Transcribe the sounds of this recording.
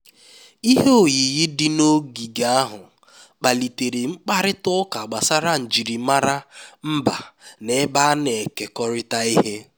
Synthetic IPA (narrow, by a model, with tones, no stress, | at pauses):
i˦ɦe˦o˨ji˨jɪ˦dɪ˦no˦ɡi˨ɡa˨a˦ɦʊ˨ | k͡pa˨li˨te˨ɾe˨ŋ͡m̩˦k͡pa˦ɾɪ˦tʊ˦ka˨ɡ͡ba˨sa˦ɾa˦n̩˨d͡ʒi˨ɾi˨ma˦ɾa˦m̩˦ba̰˨ne˨˦ba˦ne˨ke˨kɔ˦ɾɪ˦ta˦i˦ɦe˦